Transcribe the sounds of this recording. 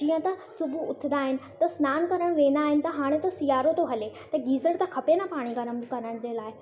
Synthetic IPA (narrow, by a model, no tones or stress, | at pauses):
d͡ʑiːə̃t̪ɐsʊbʱuʊt̪ʰɪ̆nd̪aːɦɪnɪ̆t̪ɐsnaːnkɐɾəɽ̃ʋẽːnd̪aːɦɪnɪ̆t̪ɐɦaːɽ̃et̪osijaːɾot̪oɦɐlet̪ɐɡiːzəɽt̪ɐkʰɐpenapaːɽ̃iɡɐɾəmkɐɾəɽ̃d͡ʑeːlaːɪ